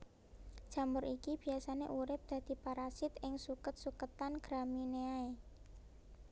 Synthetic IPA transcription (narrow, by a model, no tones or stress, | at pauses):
d̥ʒ̥a̤mʊɾʔikib̥i̤asanḛʔuɾɪp̚d̪̥ä̤d̪̥i̤paɾasɪt̪ɪŋsukət̪̚sukət̪anɡ̥ɾamineae